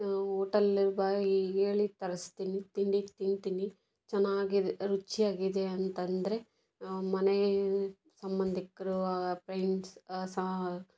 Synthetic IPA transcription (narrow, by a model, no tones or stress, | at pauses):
oːʈɐliɾbaːieːɭit̪ɐɾɐst̪iːnit̪iɳɖit̪iɳt̪iːni | t͡ʃɛnːaːɡiɾut͡ʃːijaːɡid̪eɐnt̪ɐnd̪ɐɾe̞ | mɐne | sɐmbɐnd̪ʱikːɐɾuaɡpɾɐjɳssɐ